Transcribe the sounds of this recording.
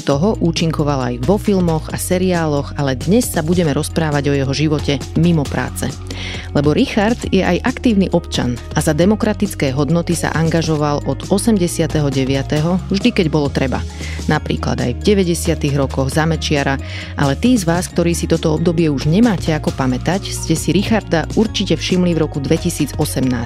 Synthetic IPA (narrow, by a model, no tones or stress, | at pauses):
t̪ɔɦɔʔuːt͡ʃiŋkɔʋala̰jʋɔfilmɔɣasɛɾiaːlɔɣalɛd̪ɲɛsːabuɟɛmɛɾɔspɾaːʋaɟɔjɛɦɔʒiʋɔcɛmimɔpɾa̰ːt͡sɛ̰ | lɛbɔɾixaɾd̪jɛʔajʔakt̪iːʊniʔɔpt͡ʃa̰n | azad̪ɛmɔkɾat̪it͡skɛːɦɔd̪nɔt̪isa̰ʔaŋɡaʒɔʋalʔɔd̪̥ɔsɛmɟɛsɪat̪ɛɦɔɟɛʋɪat̪ɛɦɔvʒd̪ikɛɟbɔlɔt̪ɾɛba̰ | napɾḭːkla̰d̪a̰jvɟɛʋɛɟɛsɪat̪iɣɾɔkɔɣzamɛt͡ʃɪaɾa | ʔalɛt̪iːzʋaːskt̪ɔɾiːsit̪ɔt̪ɔɔb̚d̪ɔbɪɛuʒɲɛmaːcɛakɔpamɛt̪acscɛsiɾixaɾd̪auɾt͡ʃicɛfʃimlivɾɔkud̪ʋɛcisiːd͡zɔsɛmnaːs